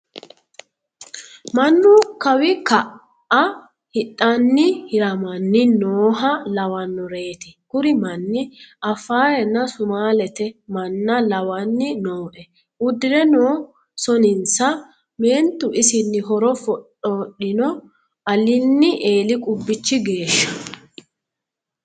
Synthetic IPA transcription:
mɐnːʊkɐwɪkɐ | ɐ | hɪtʼːɐnːɪhɪɾɐmɐnːɪnoːɦɐlɐwɐnːɔɾe̞ːt̪ɪkʊɾɪmɐnːɪʔɐfaːɾɛnːɐsʊmaːlɛt̪ɛmɐnːɐlɐwɐnːɪnoːʔɛ | ʊd̪ːɪɾɛnoː | sɔnɪnsɐ | me̞ːnt̪ʊʔɪsɪnːɪɦɔɾɔfɔɗɔɗɪnɔ | ʔɐlɪnːɪʔe̞ːlɪkʼʊbːɪt͡ʃːɪɡe̞ːʃːɐ̥

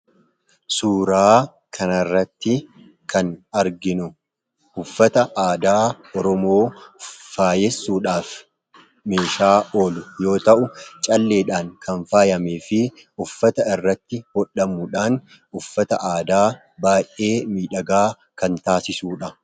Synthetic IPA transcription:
suːɾaː | kʰɐnɐrːɐt̪ːɪ | kʰɐnɐɾɡɪnʊ | ʔʊfːɐt̪ɐʔaːd̪aː | ɔɾɔmo̞ːfaːjɛsːuːᶑaːf | me̞ːʃaːʔoːlʊjo̞ːt̪ɐʔʊt͡ʃʼɐlːe̞ːᶑaːŋkʰɐnfaːjɐmeːfɪ | ʊfːɐt̪ɐɪrːɐt̪ːɪhɔᶑːɐmʊᶑaːn | ʊfːɐt̪ɐʔaːd̪aː | baːjʔʔe̞ːmiːᶑɐɡaː | kɐnt̪aːsɪsuːᶑɐ

